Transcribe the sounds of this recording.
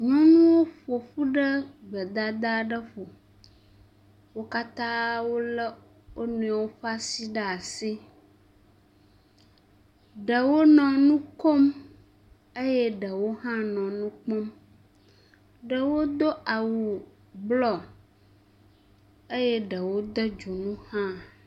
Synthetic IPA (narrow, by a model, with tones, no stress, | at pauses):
ɲɔ̃˦nũ˦wo˦ɸo˨ɸu˦ɖə˦ɡ͡bə˨d̪a˦d̪a˦ɖə˦ɸo˨ | wo˦ka˦t̪ã˦wo˦lə˦ | wʔo˦nũ˨˦a˨wo˦ɸa˦si˦ɖə˦a˨si˦ | ɖə˨wo˦nɔ̃˨nũ˦ko˦m | e˦jɛ˦ɖə˨wo˦ɦã˦nɔ̃˨nũ˦k͡po˦m | ɖə˨wo˦d̪o˦a˨wu˨ | blɔ˨ | e˦je˦ɖə˨wo˦d̪ə˦d͡ʒu˨nũ˦hã˦˨